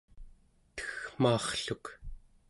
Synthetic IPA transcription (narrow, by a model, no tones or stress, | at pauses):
t̪ə̥xm̥ɑːχɬuk